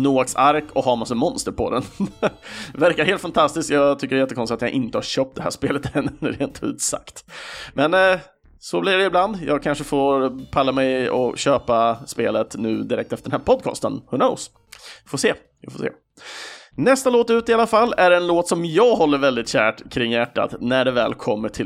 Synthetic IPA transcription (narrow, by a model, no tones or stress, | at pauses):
nuːaksaɾkɔhɑːɾmasəmɔnst̪əɾpʰɔ̰d̪ɛn | væɾkaɾheːlt̪fant̪ʰast̪ɪskjɑːt̪ʰʏkːəɾɛɾjɛt̪ːəkʰɔnsɪt̪at̪jaʔɪnt̪əhaɾɕøːp̚t̪̚d̪ɛhæ̰ːʂpeːlət̪ɛnːɾeːnt̪ʰʉ̟̰ːt̪sa̰kt̪mɛn | sɔblɪɖɛɪbland̪jɑ̰ːɡkʰanʂəfoːɾpʰalːamɛjɔ̰ɕøːpaspeːlət̪nʉ̟̰ːd̪ɪɾɛkt̪ɛft̪əɖɛnæːɾpʰɔd̪̚kʰɑ̰ːst̪ə̰nhʊno̰ʊs | foːseː | ɪ̰foːsḛː | nɛst̪aloːt̪ʉ̟ːt̪ɪalːafalːæɖɛnloːt̪sɔmjɑːɡɦɔlːəɾvɛld̪ɪt̪ɕæːʈkʰɾɪŋːjæʈːa̰t̪næɖɛvɛ̰ːlkʰɔmːəʈʰɪ